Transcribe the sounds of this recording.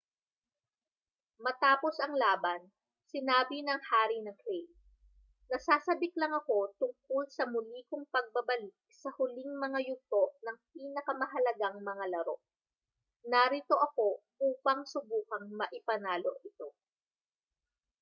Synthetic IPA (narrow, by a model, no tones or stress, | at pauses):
mɐt̪aːpo̞sɐŋlaːbɐn | sɪnaːbinɐŋhaːɾinɐŋklɛj | nɐsaːsɐbɪklɐŋɐko̞t̪ʊŋk̚olsɐmʊliːkoŋpɐɡ̚bɐbɐlɪk̚sɐhʊliŋmɐŋajʊt̪o̞ʔnɐŋpiːnɐkɐmɐɦɐlɐɡaŋmɐŋalɐɾo̞̰ʔ | nɐɾit̪o̞ʔɐko̞ʔuːpɐŋsʊbuːkɐŋmɐʔɪpɐnaːloʔɪt̪o̞